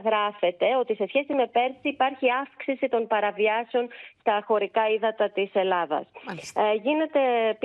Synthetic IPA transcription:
ɣɾɐfe̞t̪e̞o̞t̪ise̞sçe̞sime̞pe̞ɾsiːpɐɾçiɐfksisit̪o̞npɐɾɐviɐseo̞nst̪ɐxo̞ɾikɐiðɐt̪ɐt̪ise̞lɐðɐ̰sʝine̞t̪e̞p

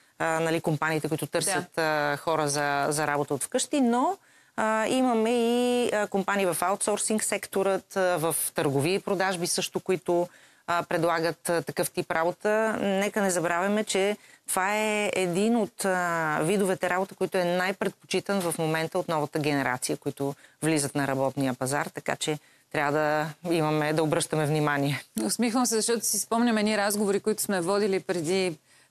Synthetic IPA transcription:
nɐlikompaniːt̪ɛkʊit̪ʊt̪ɤɾsjət̪xɔɾəzɐzɐɾabot̪əot̪fkɤʃt̪ino | imɐmɛikompaniːvɐfaʊt̪sɔɾsiŋksɛkt̪oɾət̪vɐft̪əɾɡoviəipɾod̪aʒbisɤʃt̪ʊkoit̪ʊ | pɾɛd̪lˠaɡət̪t̪ːɐkɤft̪ipɾabot̪ənɛkənɛzɐbɾavʲjɐmɛt͡ʃɛt̪ovaɛɛd̪inot̪vid̪ovɛt̪ɛɾabot̪əkoit̪ʊɛnajpɾɛt̪̚po̥t͡ʃit̪ənvɐfmomɛnt̪əot̪nɔvɐt̪əɡʲɛnɛɾa̰t̪sijəkʊit̪ʊvlizət̪nɐɾɐbɔt̪nijəpɐza̰ɾt̪ɐka̰t͡ʃɛ | t̪ɾʲavəd̪ɐimɐmɛd̪ɐobɾɤʃt̪əmɛvnimaniɛʊsmixvˠəmsɛzɐʃt̪ɔt̪ʊ̥sispɔmnʲɐmɛd̪niɾazɡovoɾikʊit̪ʊ̥smɛvɔd̪ilipɾɛd̪i

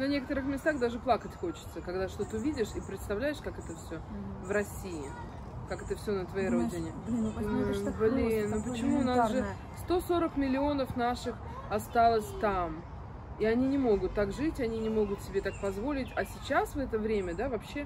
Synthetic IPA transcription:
nɐnʲe̞kət̪əɾɨxmʲɪst̪axd̪aʐɨplˠakətʲxo̞t͡ɕɪ̥t̪səkɐɡd̪aʂt̪ot̪ɨʊvʲidʲɪʂipɾʲɪt̪st̪ɐvlʲæjɪʂkakɛt̪əfsʲovɾɐsʲiɪ | kakɛt̪əfsʲonət̪vɐjejɾo̞dʲɪnʲɪ | blʲiʊp̬ət͡ɕɪmunasʐɨ | st̪o̞so̞ɾəkmʲɪlʲɪo̞nəfnaʂɨx | ɐst̪alˠəsʲt̪am | iɐnʲinʲɪmo̞ɡʊt̪ːakʐɨtʲɐnʲinʲɪmo̞ɡʊt̪sʲɪbʲe̞t̪ak̚pɐzvo̞lʲɪtʲɐsʲɪt͡ɕasvɛt̪əvɾʲemʲəd̪avɐpɕːe̞

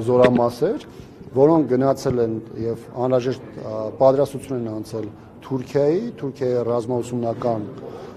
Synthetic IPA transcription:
zɔɾɑmɑsɛɾ | vɔɾɔŋk̚ʰɡənɑt͡sʰɛlɛnjɛvɑnɾɑʒɛʃt̪pɑt̪ɾɑst̪ut͡sʰjunɛnɑnt͡sʰɛl | t̪ʰuɾkʰjɑjit̪ʰuɾkʰjɑjirɑzmɑusumnɑkɑn

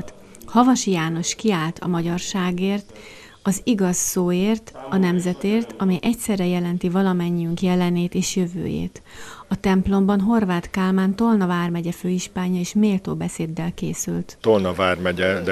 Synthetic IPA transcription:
t̪ | hɒvɒʃijaːno̞ʃkiaːlt̪ʰɒ̰mɒɟɒrʃaːɡeːrt̪ | ɒziɡɒsːoːeːrt̪ɒnɛmzɛt̪eːrt̪ɒmɛjʔɛcsɛrːɛjɛlɛnt̪ivɒlɒmɛɲːiyŋkjɛlɛneːt̪eːʃjøvø̰ːjḛːt̪ɒt̪ɛmplo̞mbɒnɦo̞rvaːt̪kaːlmaːnt̪o̞lnɒvaːrmɛɟɛføːiʃpaːɲːɒeːʃmeːlt̪o̰ːbɛseːd̪ːɛlkḛːsylt̪t̪olnɒvaːrmɛɟɛd̪

